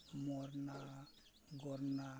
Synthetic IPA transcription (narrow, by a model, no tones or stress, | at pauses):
mɔɾna | ɡɔɾna